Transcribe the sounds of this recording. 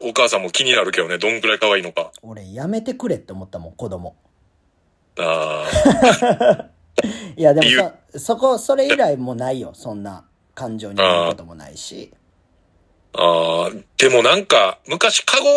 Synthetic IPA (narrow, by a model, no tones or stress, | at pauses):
o̞kaːsãmːo̞kʲiɲ̟inaɾɯ̟ke̞d̪one̞d̪õ̞ŋɡɯɾaikaβaiːno̞kao̞ɾe̞jame̞t̪e̞kɯ̟ɾe̞t̪ːe̞omo̞t̪ːamõ̞ŋko̞d̪o̞mo̞̰ | a | jad̪e̞m | so̞ko̞so̞ɾe̞iɾaimo̞naijo̞̰sõ̞nːa̰ | kãɲ̟d͡ʑo̞ːɲiɯkot̪o̞mo̞na̰ḭɕḭ | aːd̪̥e̞mo̞nãŋkamɯ̟kaɕi̥kʰaɡo̞